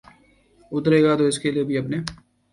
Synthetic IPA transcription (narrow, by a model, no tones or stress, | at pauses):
ʊt̪əɾeːɡaːt̪oːɪskeliebʱiɐpneː